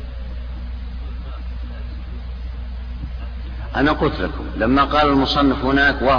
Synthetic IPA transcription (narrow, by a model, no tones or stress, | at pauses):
ʔanaqʊlt̪lakʊmlamːaqɑːlalmʊsˤɑnːɪfhʊnaːkwa